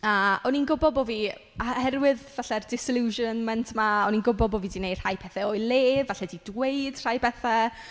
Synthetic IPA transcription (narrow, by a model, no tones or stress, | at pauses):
aɔninɡʊbɔbovi | ahɛɾwɪðvaɬɛrdɪsɪlˠuʒənmɛntʰmaɔninɡʊbɔbovidinejd̥hajpʰɛθɛoɨlˠeːvaɬɛdidwejd̥r̥ajpʰɛθɛ